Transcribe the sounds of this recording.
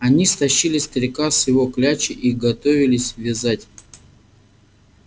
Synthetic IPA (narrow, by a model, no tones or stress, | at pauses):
ɐnʲist̪ɐɕːilʲɪsʲt̪əɾʲɪkasjɪvo̞klʲat͡ɕɪʔiɡɐt̪o̞vʲɪlʲɪsʲvʲɪzatʲ